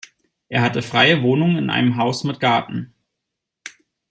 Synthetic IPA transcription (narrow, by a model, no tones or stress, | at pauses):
ʔeːɐɦatəfʁ̥aɪəvoːnʊŋəɪnʔa̰ɪnəmɦaʊsmɪt̚ɡ̥aɐtn̩